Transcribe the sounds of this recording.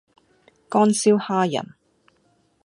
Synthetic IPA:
kɔː˥nsiː˥whaː˥jɐ̰˨˩n

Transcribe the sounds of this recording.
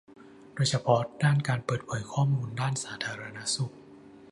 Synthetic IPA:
doː˧jt͡ɕʰa˧˥pʰɔ˦˥daː˥˩nkaː˧npɤː˨˩t̪̚pʰɤː˩˦jkʰɔː˥˩muː˧ndaː˥˩nsaː˩˦t̪ʰaː˧ɾa˧na˦˥su˨˩k̚

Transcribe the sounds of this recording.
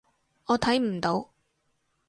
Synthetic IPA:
ɔː˨˧t̪ʰɐ˨˥jm̩˨˩t̪o˨˧w

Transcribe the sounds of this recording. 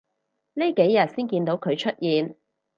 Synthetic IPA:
li˥ke˨˥jːɐ˨t̚siː˥nkiː˧nt̪o˨˥wkʰɵ˨˧ɥt͡ʃʰɵ˥t̚jiː˧n

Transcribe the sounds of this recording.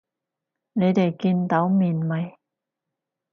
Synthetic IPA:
ne˨˧jt̪e˨˩jkiː˧nt̪ɐ˨˥wmiː˨˩nmɐ˨˧j

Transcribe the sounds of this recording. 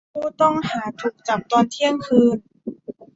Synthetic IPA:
pʰuː˧˩t̪ɔ˥˩ŋhaː˨˩˦t̪ʰuː˨˩k̚t͡ɕa˨˩p̚t̪ɔː˧nt̪ʰi˥˩əŋkʰɯː˧˥n

